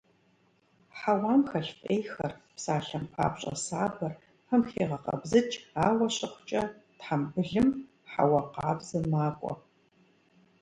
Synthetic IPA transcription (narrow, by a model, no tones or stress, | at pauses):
ħawaːmxɐɬfʼejxɐrpsaːɬɐmpʰa̰ːpɕʼɐ̰saːbɐr | ɐmxeːʁɐqɐ̰bzɨt͡ʃʼaːwɐɕʼɪχʷʊ̥t͡ʃʼɐtħambɨɮɨm | ħa̰wɐqaːbz̥ɐmaːkʷʼɔ̰